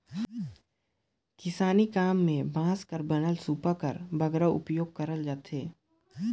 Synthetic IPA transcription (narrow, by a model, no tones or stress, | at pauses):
kɪsaːnikaːmːẽbʱãːskəɾbɐnəlsuːpakəɾbʱəɡɾaʔʊ̰pjoːɡ̚kɐɾəld͡ʒaːt̪ʰɦeː